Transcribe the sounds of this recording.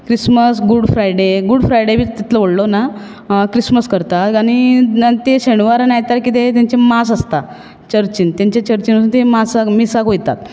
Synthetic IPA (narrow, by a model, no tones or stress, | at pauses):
kɾisməsɡuɽfɾajɽeɡuɽfɾajɽebʱiːt̪it̪ʰləʋoɽlona | kɾisməskəɾt̪at̪añit̪eɕeɳ̃ʋaɾanajt̪aɾkit̪et̪jaɲt͡ɕemasast̪a | t͡ɕəɾt͡ɕint̪ãɲt͡ɕet͡ɕəɾt͡ɕinsuːnt̪emasakmisakojt̪a̰t̪̚